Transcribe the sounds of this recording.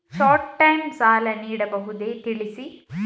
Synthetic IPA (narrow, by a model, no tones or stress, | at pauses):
ʃaːɾʈʈɐjmsaːlɐniːɽɐbɐɦud̪eːt̪iɭisi